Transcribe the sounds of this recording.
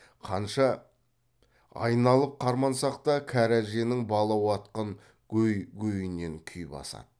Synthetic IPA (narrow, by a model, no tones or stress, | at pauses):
qʰɑnʃɑ | ɑ̰jnɑlˠəp̚qʰɑɾmɑnsɑqt̪ɑkʲʰæɾæʒe̞nɪŋbɑlˠɑwɑt̪qəɴ | kʲʰɵjɡʲʰɵjɪne̞ŋkʲʰʏjbɑ̰sɑ̰d̪̥ə